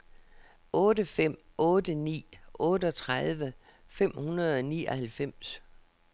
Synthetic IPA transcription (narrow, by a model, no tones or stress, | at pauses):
ʔɔ̽ːdəfem̰ɔ̽ːdənḭːʔɔ̽ːdəɒ̽t͡sʰʁaðˠʋə | fem̰hunɐð̞̩ˠɒnḭːɒhælfem̰s